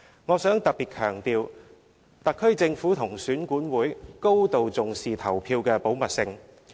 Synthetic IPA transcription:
ŋɔː˨˧sœː˨˥ŋt̪ɐ˨k̚piː˨˩t̚kʰœː˨˩ŋt̪iː˨˧w | t̪ɐ˨kʰːɵ˥ɥt͡sɪ˧ŋfuː˨˥t̪ʰʊ˨˩ŋsyː˨˥nkuː˨˥nwuː˨˥jko˥wt̪o˨wt͡sʊ˨ŋsiː˨t̪ʰɐ˨˩wpʰiː˧wkɛː˧po˨˥wmɐ˨t̚sɪ˧ŋ

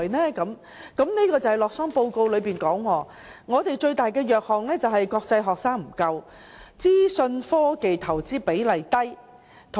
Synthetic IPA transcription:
jnɛː˥kɐ˨˥m | kɐ˨˥mni˥kɔː˧t͡sɐ˨˩hɐ˨˩lɔː˨k̚sɔː˥ŋpo˧wko˧wlɵ˨˧ɥpiː˨˩nkɔː˨˥ŋwɔː˨˧ | ŋɔː˨˧t̪e˨jt͡ʃɵ˧ɥt̪aː˨˩jkɛː˧jœː˨k̚hɔː˨ŋlɛː˥t͡sɐ˨wɦɐ˨jkɔː˧k̚t͡sɐ˧jɦɔː˨k̚saː˥ŋm̩˨˩kɐ˧w | t͡siː˥sɵ˧nfɔː˥ke˨jt̪ʰɐ˨˩wt͡siː˥pe˨˥jlɐ˨jt̪ɐ˥j | t̪ʰ

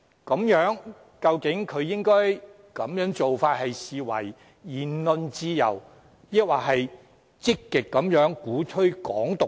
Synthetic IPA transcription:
kɐ˨˧˥mjœː˨˥ŋ | kɐ˧wkɪ˨˥ŋkʰɵ˨˧ɥjɪ˥ŋkɔː˥j | kɐ˨˥mjœː˨˥ŋt͡so˨wfaː˧t̚hɐ˨jsiː˨wɐ̰˨˩jː | iː˨˩nlɵ˧nt͡siː˧jɐ̰˨˩w | jɐ˥k̚waː˨˩ɦɐ˨j | t͡sɪ˥kːɪ˨kːɐ˨˥mjœː˨˥ŋkuː˨˥tʰɵ˥ɥkɔː˨˥ŋt̪ʊ˨

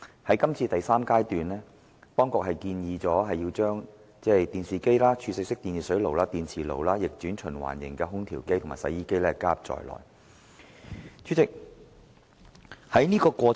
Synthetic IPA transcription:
hɐ˨˥jkɐ˥mt͡sʰiː˧t̪ɐ˨jsaː˥mkaː˥jt̪yː˨nlɛː˥ | t̪ɔː˥ŋkʊ˨k̚hɐ˨jkiː˧njiː˧t͡sɔː˨˥ɦɐ˨jːiː˧wt͡ʃœː˥ŋ | t͡sɛː˥˩jt̪iː˨nsiː˨ke˥jlaː˥t͡ʃʰyː˧sɪ˧k̚sɪ˥k̚t̪iː˨˧nsiː˨˩sɵ˨˥ɥlo˨wlaː˥t̪iː˨nt͡sʰiː˨˩lo̰˨˩wlaː˥jɪ˨k̚t͡syː˨˥nt͡ʃʰɵ˨˩nwa̰ː˨˩njɪ̰˨˩ŋkɛː˧ɦʊ˥ŋt̪ʰiː˨˩wke˥jtʰʊ˨˩maː˨˩sɐ̰˨˥jːiː˥ke˥jlɛː˦˥kaː˥p̚t͡sɔ̰ː˨˩jlɔ̰ː˨˩j | t͡ʃʰyː˨˥t͡sɪ˨k̚ | hɐ˨˥jniː˥kɔː˧kʷɔː˧

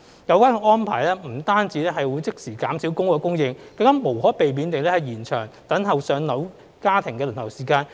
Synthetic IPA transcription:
jɐ˨˧wkaː˥˨ŋɔː˥npʰa̰ː˨˩jlɛː˥m̩˨˩t̪aː˥nt͡siː˨˧lɛː˥ɦɐ˨jwu˨˧jt͡sɪ˥k̚siː˨˩kaː˨˥msiː˨˥wkʊ˥ŋkɔː˧kʊ˥ŋjɪ˧ŋkɐ˨˧ŋkaː˥mo˨˩whɔː˨˥pe˨jmiː˨˧nt̪ɪ˨ŋlɛː˥hɐ˨jiː˨˩nt͡ʃʰœː˨˩ŋt̪ɐ˨˥nɦɐ˨wsœː˨˧ŋnɐ˨˥w | kaː˥t̪ʰɪ˨˩ŋkɛː˧lɪ˨˩nt̪ʰɐ˨˩wsiː˨˩kaː˧n

